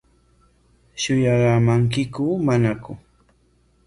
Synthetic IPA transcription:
ʃʊjaɢamaŋk̬ɪkʊmanakʊ̰

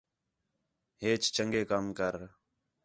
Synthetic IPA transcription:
ɦeːt͡ʃt͡ʃəŋɡeːkəmkəɾ

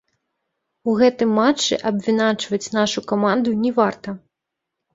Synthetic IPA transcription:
uɣɛt̪ɨmːat͡ʂːɨ̰ʔɐbʲvʲinat͡ʂvɐt͡sʲnaʂukamand̪unʲɛvart̪ɐ

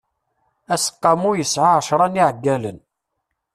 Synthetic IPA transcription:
æsə̥qːɑmujəsʕaʕəʃɾˤɑniʕəɡːælən

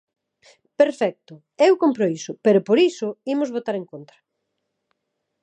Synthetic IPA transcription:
peɾfɛk̚t̪ʊ | ewkompɾoisʊpeɾʊpoɾisʊimʊzβot̪aɾeŋkont̪ɾɐ

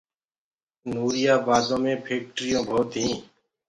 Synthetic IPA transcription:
nuːɾɪjaːbaːd̪õːmẽːpʰeːk̚ʈɾɪjõːbʱoːt̪ɦĩː

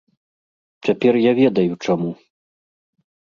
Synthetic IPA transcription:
t͡sʲapʲɛrjavʲɛd̪ɐjut͡ʂamu

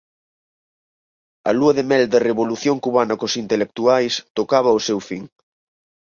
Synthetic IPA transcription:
ɐ̰luɐðemɛld̪ereβoluθjoŋkuβanɐkosint̪elek̚t̪uajst̪okaβɐosewfiŋ

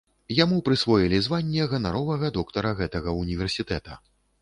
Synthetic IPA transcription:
jamupɾɨsvɔjilʲizvanʲːɛɣɐnaɾɔvɐɣɐd̪ɔkt̪ɐɾɐɣɛt̪ɐɣɐunʲivʲɛrsʲit̪ɛt̪ɐ

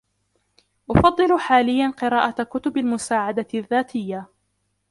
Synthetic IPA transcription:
ʔʊfɑd̪ˤːɨlħaːlɪjːanqɨɾaːʔakʊt̪ʊbalmʊsaːʕad̪aðːaːt̪ʰɪjːa

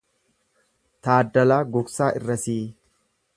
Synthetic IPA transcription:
t̪aːd̪ːɐlaːɡʊksaːʔɪrːɐsiː

